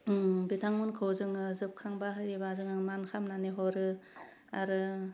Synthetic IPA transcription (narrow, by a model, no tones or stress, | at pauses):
bitʰaŋmunkʰɯwzɯŋɯzɯp̚kʰaŋbaɦɯjɾibazɯŋaŋmankʰamnaniɦɔɾɯ | a̰ɾɯ